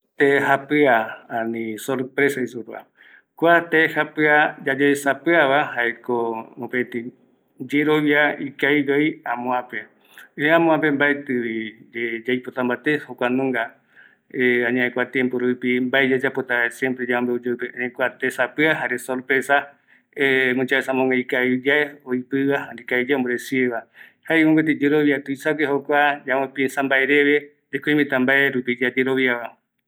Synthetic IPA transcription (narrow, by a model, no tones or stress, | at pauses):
t̪eɦapɨaanĩsoɾpɾesaisupa̰ | kʷat̪ehapɨad͡ʒad͡ʒeesapɨaβahaekoopet̪i | d͡ʒeɾoβjaikajɡeiãmõãpe | eãmõãpe̞mbaet̪ɨβid͡ʒed͡ʒajpot̪ambat̪ehokʷanõŋɡa | eãɲãekʷat̪jẽmpoɾupimbaed͡ʒad͡ʒapot̪aesjempɾed͡ʒaõmbeod͡ʒopenẽkʷat̪esapɨaɦaɾesolpesa | emũt͡ʃaesamõŋɡajkaid͡ʒaeoipɨβahand̪ikaid͡ʒaomboɾesieβahaekõŋɡet̪̬id͡ʒeɾoβjat̪uisakehokʷad͡ʒawẽpinsambaeɾeβe | ekõĩmĩt̪ambaʔeɾupid͡ʒad͡ʒeɾoβiaβa